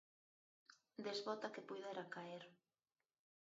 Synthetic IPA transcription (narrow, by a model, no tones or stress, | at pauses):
d̪ezβɔt̪akepujðeɾakaeɾ